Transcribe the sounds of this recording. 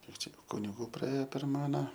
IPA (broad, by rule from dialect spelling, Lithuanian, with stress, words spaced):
ˈkʲiɛk ˈt͡ʃʲɛ kʊnʲɪˈɡuː prɐˈeːjɛ pʲɛr ˈmɑːnʲɛ